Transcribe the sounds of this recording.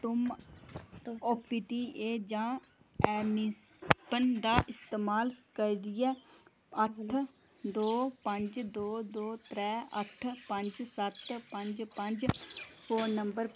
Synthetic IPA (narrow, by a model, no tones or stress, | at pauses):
t̪ʊm | oːpiːʈiːeːd͡ʒãː | ɛːmi | pənd̪aːʔɪst̪eːmaːlkəɾiːd̪ɪjɛː | əʈʰ | d̪oːpəɲd͡ʒd̪oːd̪oːt̪ɾɛːə̰ʈʰpə̃ɲd͡ʒsət̪pəɲd͡ʒpəɲd͡ʒpʰoːəmbəɾ